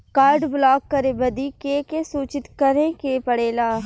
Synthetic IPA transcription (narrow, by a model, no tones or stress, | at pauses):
kaːɾɖblaːkːəɾeːbəd̪iːkekesuːt͡ʃɪt̪kəɾẽːkeːpəɽeːlaː